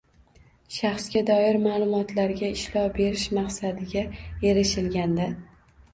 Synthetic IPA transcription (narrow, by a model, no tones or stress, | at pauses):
ʃɑχsɡʲad̪ɒɪɾmaːlˠʊmɒt̪laɾɡʲaɪʃlɒbe̞ɾɪʃmaqsad̪ɪɡʲae̞ɾɪʃɪlɡʲand̪a